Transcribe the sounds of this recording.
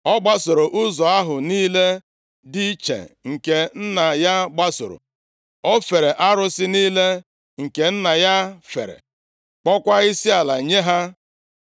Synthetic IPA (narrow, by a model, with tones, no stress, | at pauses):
ɔ˦ɡ͡ba˦so˨ɾo˨ʔʊ˦zɔ˨a˦ɦʊ˨niː˦le˦ | di˦i˦t͡ʃḛ˨ŋ̩˨ke˨n̩˦na˨ja˦ɡ͡ba˦so̰˨ɾo̰˨ | ɔ˦fe˨ɾe˨ʔa˦ɾʊ˦sɪ˦niː˦le˦ | ŋ̩˨ke˨n̩˦na˨ja˦fe˨ɾḛ˨ | k͡pɔ˦kʷa˦i˦si˦a˨la˨ɲe˦ɦa˦